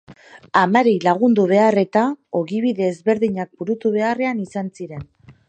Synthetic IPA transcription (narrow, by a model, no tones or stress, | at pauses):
amaɾejlaɣ̞und̪uβ̞e̞are̞t̪ao̞ɣiβ̞iðe̞ːzβe̞ɾðiɲak̚buɾut̪uβ̞e̞are̞anisansiɾe̞n